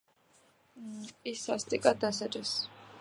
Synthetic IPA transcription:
isast̪ʼikʼad̪asad͡ʒʼɛs

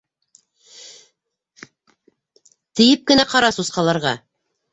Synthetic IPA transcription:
t̪ɘ̆jɘp̚kɘ̆næqɑɾɑsusqɑlˠɑɾʁɑ

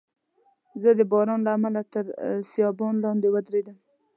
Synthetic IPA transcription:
zəd̪əbɑɾɑnlaːmalat̪əɾsijɑbɑnlɑnd̪ewad̪ɾed̪əm

